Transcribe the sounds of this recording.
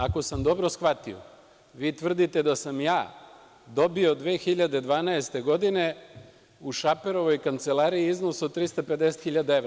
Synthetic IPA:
ako̞samd̪o̞bɾo̞sxʋat̪io̰ | ʋiːt̪ʋr̩d̪it̪e̞d̪asamjaː | d̪o̞bio̞d̪ʋe̞ːxiʎad̪ed̪ʋaːnaest̪e̞ɡo̞d̪ine̞ | uʃape̞ɾo̞ʋo̞jkant̪se̞lˠaːɾiiizno̞sod̪̚t̪ːɾist̪ape̞d̪eset̪xiʎad̪aeʋɾ

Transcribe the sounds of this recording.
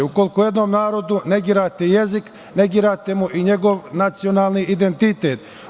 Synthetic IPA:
ukolkoje̞d̪no̞ːmnaːɾo̞d̪une̞ɡiːɾaːt̪eje̞zik | ne̞ɡiːɾaːt̪emuʔiɲe̞ɡo̞ʋnat̪sio̞naːlˠniʔid̪ent̪it̪eːt̪

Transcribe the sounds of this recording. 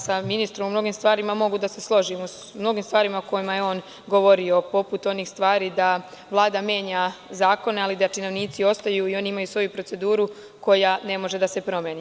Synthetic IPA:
saminist̪ɾo̞mumno̞ɡiːmst̪vʋaːɾimamo̞ɡud̪ase̞slˠo̞ʒimu | mno̞ɡiːmst̪ʋaːɾimako̞jimajeo̞ːn | ɡo̞ʋo̞ɾio̞po̞put̪o̞niːxst̪ʋaːɾiːd̪a | ʋlˠaːd̪amje̞ːɲazaːko̞nealid̪at͡ʃino̞ʋniːt̪sio̞st̪ajuio̞ːnimajusʋo̞jupɾose̞d̪uːɾu | ko̞jane̞mo̞ʒe̞d̪ase̞pɾo̞mjeːniː

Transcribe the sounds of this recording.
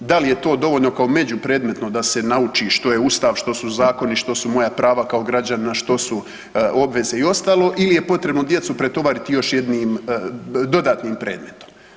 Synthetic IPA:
d̪alije̞t̪o̞ːd̪o̞ʋoːʎno̞kaome̞d͡ʑupɾe̞ːd̪me̞t̪no̞d̪ase̞naut͡ʃiʃt̪o̞jeuːst̪aːʋʃt̪o̞suzaːko̞niʃt̪o̞sumo̞japɾaːʋakao̞ɡɾad͡ʑaninaʃt̪o̞su | o̞bʋe̞ze̞io̞st̪aːlo̞ʔilije̞po̞t̪ɾe̞bnod̪jet̪supɾe̞t̪o̞ʋaːɾit̪ijo̞ʃje̞d̪niːm | d̪o̞d̪aːt̪niːmpɾe̞ːd̪me̞t̪o̥m

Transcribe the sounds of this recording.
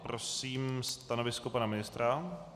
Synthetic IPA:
pɾosiːmst̪anovɪskopanamɪnɪst̪ɾa

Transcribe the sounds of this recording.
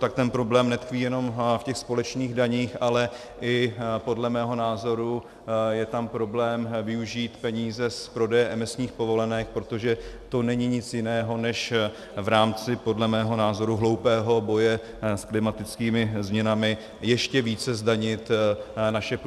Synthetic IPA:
t̪ak̚t̪ɛnpɾo̞blɛːmnɛt̪kviːjɛno̞mfcɛxspo̞lɛt͡ʃniːɣdaɲiːxʔalɛ | ʔɪpo̞dlɛmɛːɦo̞naːzo̞ɾu | jɛt̪ampɾo̞blɛːmvɪuʒiːt̪pɛɲiːzɛspɾo̞dɛjɛʔɛmɪsɲiːxpo̞vo̞lɛnɛxpɾo̞t̪o̞ʒɛt̪o̞nɛɲɪɲɪt͡sjɪnɛːɦo̞nɛʃ | vɾaːmt͡sɪpo̞dlɛmɛːɦo̞naːzo̞ɾuɦlowpɛːɦo̞bo̞jɛ | sklɪmat̪ɪt͡skiːmɪzmɲɛnamɪ | jɛʃcɛviːt͡sɛzdaɲɪt̪naʃɛp

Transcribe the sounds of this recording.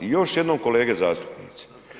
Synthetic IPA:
ijo̞ʃje̞d̪nomko̞leːɡezaːst̪u̥pnḭːt̪si̥

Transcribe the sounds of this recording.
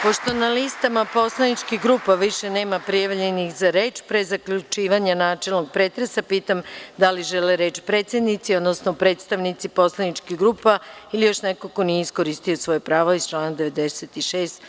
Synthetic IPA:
po̞ʃt̪o̞nalist̪amapo̞slˠanit͡ʃkixɡɾuːpaʋiʃe̞ne̞ːmapɾijaʋʎenixzaɾe̞ːt͡ʃpɾezakʎut͡ʃiːʋaɲanaːt͡ʃe̞lˠno̞ɡ̚pɾeːt̪ɾesapiːt̪amd̪aliʒeleɾe̞ːt͡ʃpɾe̞ːt̪sed̪nit̪sio̞d̪nosnopɾe̞ːt̪st̪aʋnit̪sipo̞slˠanit͡ʃkiɣɡɾuːpailijo̞ʃnekokonijeisko̞ɾist̪ijosʋo̞jepɾaːʋoist͡ʃlˠaːnad̪e̞ʋe̞d̪eset̪iʃeːst̪

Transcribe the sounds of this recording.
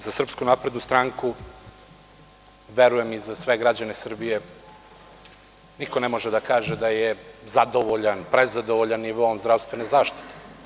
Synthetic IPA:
zasr̩pskunapɾe̞d̪nust̪ɾaːŋku | ʋeɾujemizasʋe̞ɡɾad͡ʑane̞sr̩bije̞ | nikonemo̞ʒed̪akaːʒed̪ajezad̪oʋoʎanpɾezad̪oʋoʎanːiʋoːmzd̪ɾafst̪ʋe̞nezaːʃt̪i̥t̪e

